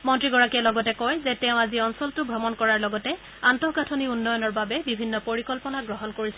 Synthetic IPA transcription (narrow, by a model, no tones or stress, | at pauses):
mɔntɹiɡɔɹakiɛlɔɡɔtɛkɔjzɛtɛʊ̃aziɔnsɔltʊbʱɹɔmɔnkɔɹaɹlɔɡɔtɛ | antɔɡatʰoniunːɔjɔnɔɹbabɛbibʱinːɔpoɹikɔlpɔnaɡɹɔɦɔnkoɹisɛ